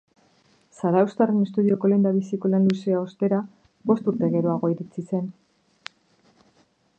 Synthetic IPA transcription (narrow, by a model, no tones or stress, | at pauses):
saɾawst̪arene̞st̪uð̞io̞ko̞le̞nd̪aβisiko̞lanluseao̞st̪e̞ɾa | bo̞st̪uɾt̪e̞ɣe̞ɾoaɣ̞o̞iɾit͡sise̞n